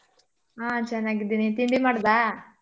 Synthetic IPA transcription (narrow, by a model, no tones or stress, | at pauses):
aːt͡ʃɛnːaːɡid̪init̪iɳɖimaːɽd̪aː